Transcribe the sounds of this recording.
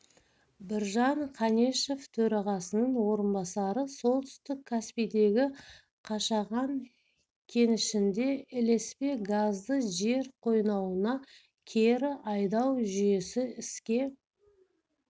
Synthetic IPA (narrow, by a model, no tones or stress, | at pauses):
bɪɾʒɑɴqʰɑne̞ʃe̞ft̪ʰɵɾɑʁɑsənəɴwo̞ɾənbɑsɑɾəso̞lˠt̪ʰʏ̥st̪ɪkʲʰːæspijd̪e̞ɡʲɪ | qʰɑʃɑʁɑŋ | kʲʰe̞nɪʃɪnd̪e̞ɪle̞spe̞ɡazd̪əʒe̞ɾqʰo̞jnɑwənɑ | kʲʰe̞ɾɪʔɑjd̪ɑwʒʏje̞sɪɪskʲe̞